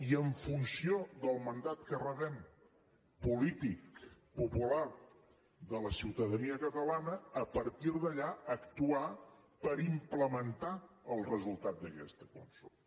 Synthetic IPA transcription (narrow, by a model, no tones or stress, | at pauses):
iəɱfunsioðəlˠmənd̪at̪kərəβɛm | pulit̪ik̚pupula | ðələsiwt̪əðəniəkət̪əlanəːpəɾt̪iɾðəʎaəkt̪uapəɾimpləmənt̪aəlˠrəzulˠt̪at̪̚d̪əkɛ̰st̪əkwa̰nso̰